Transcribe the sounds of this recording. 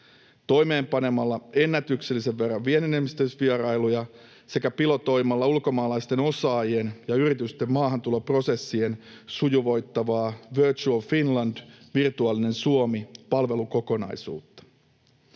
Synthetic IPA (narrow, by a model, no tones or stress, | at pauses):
t̪o̞jme̞ːmpɑne̞mɑlːɑe̞nːæt̪ykse̞lːise̞ʋːe̞rːɑʋʋie̞nenemist̪øsʋieɾɑjlujɑ | se̞kæpilo̞t̪o̞jmɑlːɑulko̞mɑːlɑjst̪e̞no̞sɑːjenjɑyɾit̪yst̪e̞mːɑːɦɑnt̪ulopro̞se̞sːien | sujuʋo̞jt̪ːɑʋɑːʋørt͡ʃuolfinlɑnd̥ʋirt̪uɑːline̞nsuo̞mipɑlʋe̞luko̞ko̞nɑ̰jsṵːt̪ːɑ̥